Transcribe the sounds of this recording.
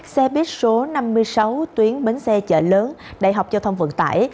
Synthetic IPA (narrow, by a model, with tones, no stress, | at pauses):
k̚sɛ˧ɓi˦˥ət̚so˨˦na˧mːɨ˧əjsa˨˦wt̪wi˨˦ənɓe˨˦nsɛ˧t͡ɕə̰ː˧˩ləː˨˦nɗaː˧˩jɦa˨˩wk͡p̚zaː˧wt̪ʰə˧wŋ͡mvə̰˧˨ŋt̪a̰ː˧˩˨j